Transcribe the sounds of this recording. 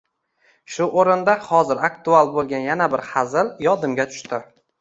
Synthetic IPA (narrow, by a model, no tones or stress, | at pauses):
ʃʊʔoɾɪnd̪ahɒzɪɾakt̪ʰʊalˠbolˠɡʲanjanabɪɾhazɪljɒd̪ɪmɡʲat̪ʰʊ̥ʃt̪ɪ